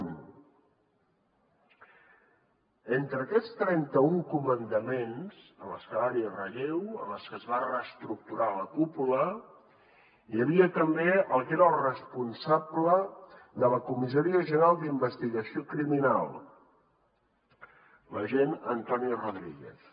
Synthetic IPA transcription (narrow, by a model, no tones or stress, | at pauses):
ent̪ɾəːkɛt͡st̪ɾɛnt̪əuŋkumənd̪əmenz̥ələ̰skəlaɾiərəʎewə̰ləskəzβarəst̪ɾuk̚t̪uɾaləkupulə | jəβiət̪əmbeəlˠkeɾəːlˠrəspunsabləðələkumizəɾiəʒənəɾalˠd̪imbəst̪iɣəsiokɾiminalˠ | ləʒenənt̪ɔniroðɾiɣḛθ